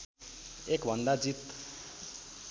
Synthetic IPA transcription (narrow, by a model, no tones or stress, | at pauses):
ekbʱʌnd̪ad͡zit̪